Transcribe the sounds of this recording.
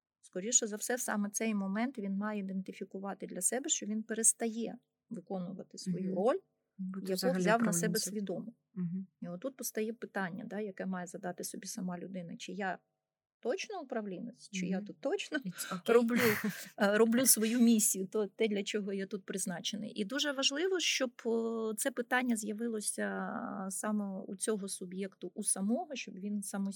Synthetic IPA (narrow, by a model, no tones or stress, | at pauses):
skɔɾʲiʃɔzɐwsɛsɑ̰mɛt̪sɛjmɔmɛnt̪ʋʲinmɑjɛid̪ent̪ɪfʲikʊʋɑt̪ɪd̪lʲɐsɛbɛʃt͡ʃɔʋʲinpeɾest̪ɐjɛ | ʋɪkɔnʊʋɐt̪ɪsʋɔjuɾɔlʲ | jjɐkɔvzʲawnɐsɛbɛsʲʋʲid̪ɔmʊ | iɔt̪ːut̪̚pɔst̪ɐjɛpɪt̪ɑnʲːɐ̰d̪ɑjɐkɛmɑjɛzɐd̪ɑt̪ɪsɔbʲisɐmɑlʲʊd̪ɪnɐt͡ʃɪja | t̪ɔt͡ʃnɔʊpɾɐʋlʲinɔsʲt͡ʃɪjat̪ut̪ːɔt͡ʃnɔɾɔblʲurɔblʲusʋɔjumʲisʲːijʊt̪ɔt̪ɛd̪lʲɐt͡ʃɔɦɔjat̪ut̪̚pɾɪznɑt͡ʃenɪ̰ʔid̪uʒɛʋɐʒlˠɪʋɔʃt͡ʃɔbt̪sɛpɪt̪ɑnʲːɐzʲjɐʋɪlˠɔsʲɐsɑmɛṵt͡sʲɔɦɔsʊbjɛkt̪ʊʔusɐmɔɦɔʃt͡ʃɔbʋʲinsɑmɔ